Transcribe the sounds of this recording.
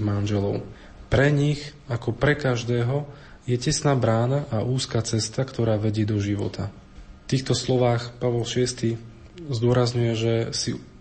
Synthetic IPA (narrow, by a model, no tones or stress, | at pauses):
manʒɛlɔʊ | pɾɛɲix | akɔpɾɛkaʒd̪ɛːɦɔ | jɛcɛsnaːbɾaːnaʔaʔuːskaːt͡sɛst̪akt̪ɔɾaːʋɛɟɪɛd̪ɔʒiʋɔ̰t̪ʰa | ft̪iːxt̪ɔslɔʋaːxpaʋɔlʃɪɛst̪i | zd̪ʊɔɾazɲujɛʒɛsi